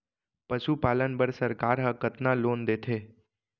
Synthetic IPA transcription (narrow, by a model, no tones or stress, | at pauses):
pəʃupalənbəɾsəɾkaɾɦəkət̪nãlond̪et̪ʰe